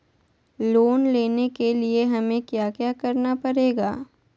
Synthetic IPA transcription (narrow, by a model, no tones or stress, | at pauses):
loːnleːnekelieɦɐmẽkjaːkjaːkɐɾnapɐɾeːɡaː